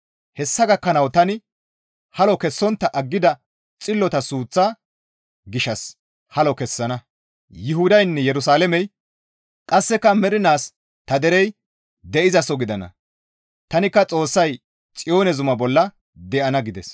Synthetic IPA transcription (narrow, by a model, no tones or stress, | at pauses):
hɛsːɐɡɐkːɐnɐwt̪ɐnɪ | hɐlɔkɛsːɔnt̪ːɐʔɐɡːɪd̪ɐ | t͡sʼɪlːɔt̪ɐsuːt͡sːaː | ɡɪʃɐs | hɐlɔkɛsːɐnɐ | jɪɦʊd̪ɐjnːɛjɛɾʊs̬aːlɛmɛj | kʼɐsːɛkːɐmɛɾɪnaːs | t̪ɐd̪ɛɾɛj | d̪ɛʔɪzɐsɔɡɪd̪ɐnɐ̰ | t̪ɐnɪkːɐt͡sʼo̞ːsːɐj | t͡sʼɪjo̞ːnɛzʊmɐbɔlːɐ | d̪ɛʔɐnɐɡɪd̪ɛs